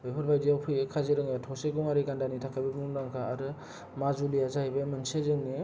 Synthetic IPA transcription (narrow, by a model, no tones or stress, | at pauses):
bebʰɯɾbajdiawpʰɯjɯkʰazɯɾɯŋjatʰɔseɡɔŋaɾiɡandanitʰakʰajbibnuŋɾaŋkʰaaɾɯ | mazulijazahibamɯnsezɯŋni